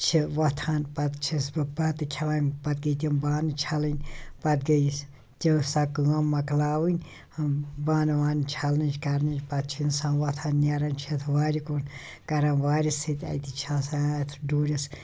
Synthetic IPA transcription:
t͡ʃʰiʋɐt̪ʰaːnpɐt̪t͡ʃʰisbɨbɐt̪ɨkʲʰɐʋaːnʲpɐt̪̚ɡɐt̪̬ʲimbaːnɨt͡ʃʰɐlɨnʲpɐt̪̚ɡɐjs | t̪ʲisɐkɨɐmmːɐklaːʋɨnʲ | baːnʋaːnt͡ʃʰɐlnɨt͡ʃkɐɾnɨd͡ʒpɐt̪̚t͡ʃʰinsãːnʋɐt̪ʰaːnːʲɐɾɐnʲt͡ʃʰit̪ʰʋaːɾʲikun | kɐɾɐnʋaːɾʲisɨt̪ʲɐ̰t̪ʲit͡ʃʰãsaɐt̪ʰɖuːɾʲis

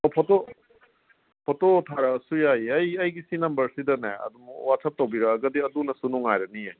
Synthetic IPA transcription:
ɔpʰɔto | pʰɔtotʰaɾɐsujajiɐjɐjɡisinɐmbɐɾsidɐnajɐ̰dumwatsʰɐp̚towbiɾɐɡɐdiɐdunɐsunuŋajɾɐniaj

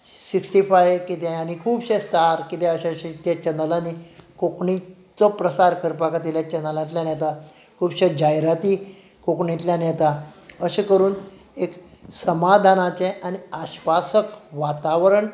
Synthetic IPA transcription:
siksʈifajkit̪ãjanikʰuːbɕẽst̪aɾkit̪eəɕaɕet̪jat͡ɕənəlanikokɳi | t͡sɔpɾəsaɾkəɾpakat̪iljat͡ɕənəlãt̪ljanjɛt̪a | kʰuːbɕed͡ʑajɾat̪iː | kokɳĩt̪ljanɛt̪aəɕekəɾuːn | eksəmad̪ʱanat͡ɕɛ̃ʔaɽ̃iaɕʋasəkʋat̪aʋɾəɳ

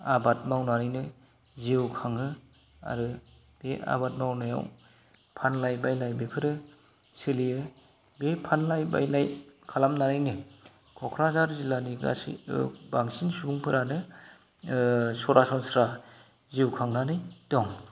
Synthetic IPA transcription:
abat̚mawnaɾɯjnɯ | ziwkʰaŋɯ | a̰ɾɯ | b̥ea̰bat̚mawnaja̰w | pʰanlajbajlajbepʰɯɾɯ | sɯliɯ | bepʰanlajba̰jlajkʰalamnaɾajnɯ | kʰɔkʰɾazaɾzilaniɡa̰sḭbaŋsinsubuŋpʰɯɾʔanɯ | sɔɾasɔnsɾa | ziwkʰaŋnanɯjdɔŋ

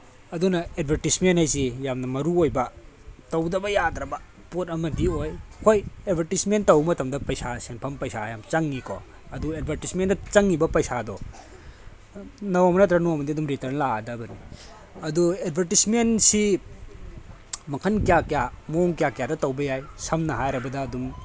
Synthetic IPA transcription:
ɐdunɐed̚bʱɐɾtismenthajs̬ijamnɐmɐɾuojbɐ | tɐwdɐbɐjat̪ɾɐbɐ | potɐmɐdiojkojed̚bʱɐɾtismentɐwmɐtɐmdɐpɐjsasenpʰɐmpɐjsajamt͡ʃɐŋːikɔ̰ | ɐdued̚bʱɐɾtismendɐt͡ʃɐŋːibɐpɐjsadɔ | nɐwamɐnɐt̬ɾɐnomɐdiɐdumɾitɐɾnladɐbɐɾi | ɐdued̚bʱɐɾtismensi | mɐkʰɐnkijakijamoŋkijakijadɐtɐwbɐjajsɐmnɐɦajɾɐbɐdɐːdum

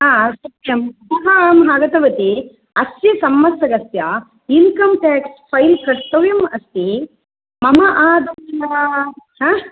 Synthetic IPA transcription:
ɦaːsɐtjɐmmuɦɐːmɦaːɡɐt̪ɐʋɐt̪i | ɐsjɐsɐmːɐsɐɡɐsja | inkɐmʈaːkspʰɐjlkɐʂt̪ɐʋjɐmɐst̪i | mɐmɐʔaːd̪ɐmɐnɐɾaːɦãː

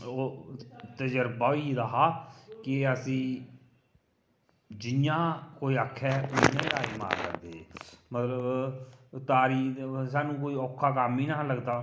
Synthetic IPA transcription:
oːt̪əd͡ʒəɾbaːiɾəɦaːkɪəsĩː | d͡ʒɪjãːkoːiːakʰːɛːʊnːẽːɾaːɾema̰ːɾkə̰ɾd̪eːeːmət̪ləb | t̪aːɾiːs̬aːnũːk̬oːiːɔːkʰːaːkamiːnãːləɡd̪aː

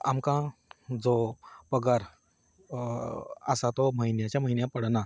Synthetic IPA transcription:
amkãd͡zopəɡaɾ | ə̰sat̪ɔməɦinjat͡ɕjaməɦinjãpəɽna

